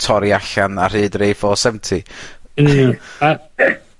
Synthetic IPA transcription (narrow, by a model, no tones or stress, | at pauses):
tʰɔɾiaɬanar̥ɨːdrejfɔːsɛmntʰi | a